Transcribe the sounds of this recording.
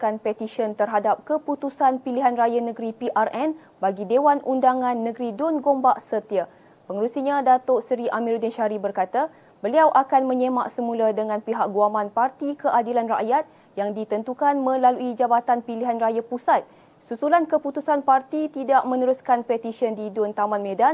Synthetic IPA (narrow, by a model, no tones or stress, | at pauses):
kanpɛt̪iʃənt̪ərɦadap̚kəput̪usanpiliɦanrajanə̃ɡɾipiʔarʔɛn | baɡidewanʔundaŋãnːə̃ɡɾidʊnɡombaʔsət̪ia | pəŋəɾusiɲãdat̪oʔsɾiʔamĩɾdɪnʃaɾibərkat̪a | bəliawʔakanmə̃ɲema̰ʔsəmũladəŋãnpiɦak̚ɡuamãnpart̪ikəʔadilanra̰ʔjat̪̚ | jaŋdit̪ənt̪ukanmə̃laluid͡ʒabat̪anpiliɦanrajapusat̪̚ | susulankəput̪usanpart̪it̪idaʔmə̃nəɾuskanpɛt̪isiəndidʊnt̪amãnmẽdan